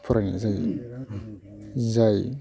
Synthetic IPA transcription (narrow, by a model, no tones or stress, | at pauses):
pʰuɾanḭzaj | zaj